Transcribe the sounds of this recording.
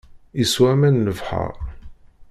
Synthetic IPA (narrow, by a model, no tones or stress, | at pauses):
iswæmænːəvħə̰ɾˤ